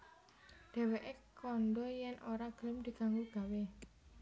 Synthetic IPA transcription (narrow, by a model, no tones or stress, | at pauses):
d̪̥ɛ̤weʔekɔnɖ̪ɔjɛnʔoɾaɡ̥ə̤ləmd̪̥i̤ɡ̥a̤ŋuɡ̥a̤we